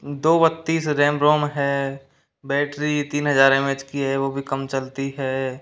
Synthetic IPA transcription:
d̪oːbət̪ːiːsɾẽːmbɾoːmɦɛː | bɛːʈɾit̪iːnɦəzaːɾemed͡ʒkiɦɛʋoːbʱikəmt͡ʃɐlt̪iɦɛː

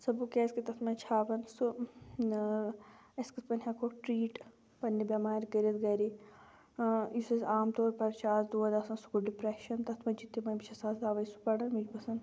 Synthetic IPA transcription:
sɐbukʲeːskit̪ɐt̪ʰmɐt͡ʃʰaːʋɐnsu | eskispɐnʲɦʲakoʈɾiːʈ | pɐnːibʲamaːɾkɐɾit̪ɡɐɾi | isizaːmt̪oːɾpɐɾt͡ʃʰaːsd̪uːɐd̪ɐsɐnsu̥kuɖipɾeʃɐnt̪ɐt̪ʰmɐ̃d͡ʒit̪ːimɐnbit͡ʃʰɐsaːsd̪aːʋɐisu̥pɐɽɐnmid͡ʒbɐsɐn

